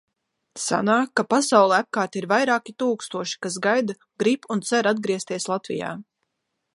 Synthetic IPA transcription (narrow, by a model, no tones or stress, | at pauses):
sa̰naːkːapasawlˠɛap̚kaːɾt̪iɾvajɾaːkit̪uːkst̪uɔʃi̥kasɡajd̪a | ɡɾipunt̪sɛɾad̪̚ɡɾiɛst̪iɛslˠat̪vḭja̰ː